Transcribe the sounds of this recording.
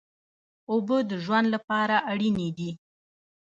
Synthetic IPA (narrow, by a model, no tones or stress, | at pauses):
obəd̪əʒwand̪lapɑɾaʔaɽined̪i